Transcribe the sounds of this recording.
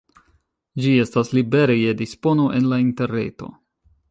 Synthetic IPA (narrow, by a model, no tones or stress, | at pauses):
d͡ʒie̞staslibe̞ɾejedispo̞no̞ʔe̞nlainte̞ɾne̞̰to̞̰